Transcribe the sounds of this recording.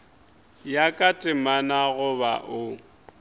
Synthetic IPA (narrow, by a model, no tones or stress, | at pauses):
jakʼatʼɪmanaɣʊbaʔʊ